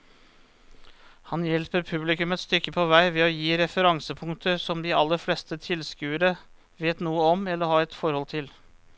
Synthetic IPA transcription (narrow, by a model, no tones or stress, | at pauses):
hɑnjɛlpəɾpʰʉblɪkʉmət̪st̪ʏkːəpʰɔʋæɪʋɛɔjiːɾɛfəɾɑŋsəpʰʊŋt̪ʰəsɔmd̪ɪɑlːəɾflɛst̪ət̪ʰɪlskʉːəɾə | ʋeːt̪nuːəɔmɛlːəɾhɑːɾɛt̪fɔɾhɔlt̪ʰɪl